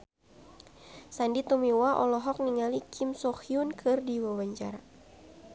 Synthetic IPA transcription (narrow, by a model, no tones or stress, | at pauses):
sandit̪ɔmiwaʔɔlɔɦɔk̚niŋalikʰɪmsɔxiunkʰɨrdiwawaɲt͡ʃaɾa